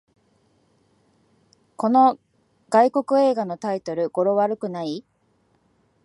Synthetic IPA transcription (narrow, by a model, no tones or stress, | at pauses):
ko̞no̞ | ɡaiko̞kɯ̟e̞ːɡano̞t̪ait̪o̞ɾɯ̟ɡ̥o̞ɾo̞βaɾɯ̟kɯ̟nai